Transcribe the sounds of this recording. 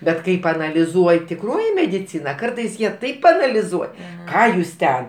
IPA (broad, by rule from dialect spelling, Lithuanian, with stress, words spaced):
ˈbʲɛt ˈkɐɪ pɐɐnɐlʲɪˈzuɔj tʲɪˈkroːjɪ mʲɛdʲɪˈt͡sʲɪnɐ ˈkɐrtɐɪs ˈjiɛ tɐɪp pɐɐnɐlʲɪˈzuɔj ˈkɑː juːs ˈtʲɛn